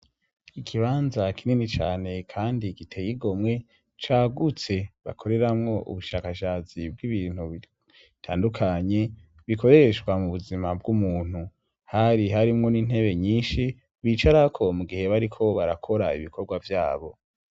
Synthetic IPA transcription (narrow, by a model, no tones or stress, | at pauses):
ikʰiβaːnzakʰininit͡ʃa̰ːne̞kʰaːndiɡitʰejiɡo̞mŋe̞ | t͡ʃaːɡut͡se̞βa̰kʰo̞ɾe̞ɾamŋo̞ʔṵβuʃaːkaʃaːt͡sib̚ɡiβiːn̥huβi | tʰa̰ːndukʰaɲe̞ | βikʰo̞ɾe̞ɾeʃɡwamuβuzimab̚ɡumuːn̥hu | haɾiɦaɾimŋo̞niːn̥he̞βe̞ɲiːnʃi | βiːt͡ʃaɾakʰo̞muɡihe̞βaɾikʰo̞βaɾakʰo̞ɾaḭβikʰo̞ɾɡwavjaːβo̞